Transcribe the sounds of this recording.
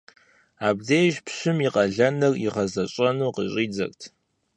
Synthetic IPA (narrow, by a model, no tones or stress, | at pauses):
aːb̚dejʒpɕɨmiqɐɮɐnɨrḭʁɐzɐɕʼɐnuːqəɕʼiːd͡zɐ̰rtʰ